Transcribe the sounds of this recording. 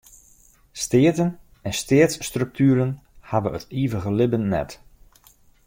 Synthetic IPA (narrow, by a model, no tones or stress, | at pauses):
stɪətən | ɛnstɪətsːtrɵk̚tʰyəɾənhaʋəətʰiːvəɣəlɪbənːɛ̰t